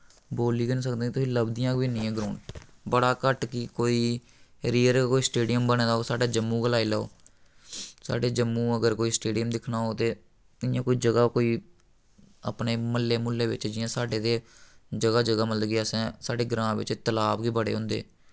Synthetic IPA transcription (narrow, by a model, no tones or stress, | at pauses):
boːliːkənisəkd̪ẽːt̪ʊsĩːləbd̪ɪjãːkʋiːnɪ̃ːɛ̃ːɡɾoːɳɖbəɽaːkəʈkiːkoːiː | ɾiːəɾkoːiːsʈeːɖɪjəmbənẽːd̪aːoːsaːɖaːd͡ʒəmːũːɡəlaːiːləo̰ː | sa̰ːɖeːd͡ʒəmːũːəɡəɾkoːiːsʈeːɖɪjəmd̪ɪkʰnaːɦoːt̪eː | ɪjãːkoːiːd͡ʒəɡaːkoːiː | ə̰pneːməlːeːmʊlːeːʋɪ̰t͡ʃd͡ʒɪjãːsaːɖeːd̪eːd͡ʒəɡaːd͡ʒəɡaːməld̪ɡeːəsɛ̃ːsaːɖeːɡɾãːʋɪ̰t͡ʃːt̪əlaːbɡiːbəɽḛːɦʊ̃ːnd̪ḛː